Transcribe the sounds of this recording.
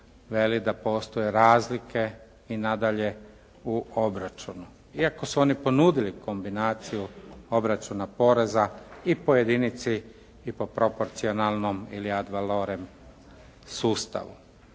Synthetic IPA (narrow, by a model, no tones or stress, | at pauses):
ʋe̞lid̪apo̞ːst̪o̞jeɾaːzlike̞ | inad̪aʎe̞ | uobɾat͡ʃunu | iako̞suo̞ːnipo̞nuːd̪iliko̞mbinaːt̪sijuo̞bɾat͡ʃunapo̞ɾe̞zaipojed̪init̪siː | po̞pɾo̞po̞ɾt̪sio̞nalˠno̞miliad̪ʋaloɾem | suːst̪a̰ʋṵ